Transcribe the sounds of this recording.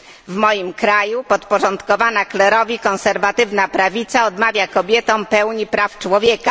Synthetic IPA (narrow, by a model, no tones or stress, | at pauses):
vmɔjimkɾajupɔt̪pɔʐɔnt̪kɔvanaklɛɾɔvʲikɔ̃ñsɛɾvat̪ɘvnapɾavʲit̪saɔd̪mavʲjakɔbʲjɛt̪ɔ̃m̃pɛwɲipɾaft͡ʂwɔvʲjɛka